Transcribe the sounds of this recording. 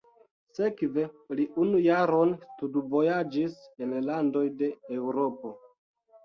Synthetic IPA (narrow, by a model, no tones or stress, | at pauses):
se̞kve̞liʔunujaɾo̞nstudvo̞jad͡ʒisenlando̞jde̞ewɾopo̞